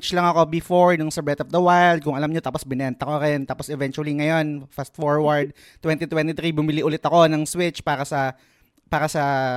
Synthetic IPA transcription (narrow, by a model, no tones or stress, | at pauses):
t͡ʃlɐŋɐko̞bɪfoɹnʊŋsɐbɹɛt̪ɔfd̪ɐwajld̪̚kʊŋʔɐlɐmɲo̞t̪aːposbɪnɛnt̪ɐkoɾɛnt̪aːposɛvɛnt͡ʃuɐliŋɐjo̞nfast̪foɹwɐɹd̪̚ | t̪wɛnt̪it̪wɛnt̪ɪt̪ɾibʊmɪliʔʊlɪt̪ɐko̞nɐŋswɪt͡ʃpaːɾɐsɐ | paːɾɐsɐ